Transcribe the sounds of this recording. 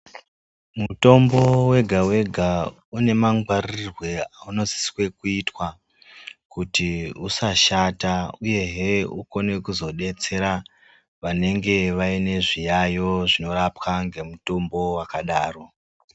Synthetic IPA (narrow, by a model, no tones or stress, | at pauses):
muto̞mbo̞we̞ɡʱawe̞ɡʱa | une̞maŋɡwarirrirwe̞auno̞zi̥swe̞kuitwa | kutiusaʃatauje̞ɦeuko̞ne̞kuzo̞ɗe̞t͡se̞ɾa | ʋane̞ŋɡe̞ʋaine̞ʐijajo̞ʐino̞ɾapwaŋɡe̞muto̞mbo̞wakaɗaːro̞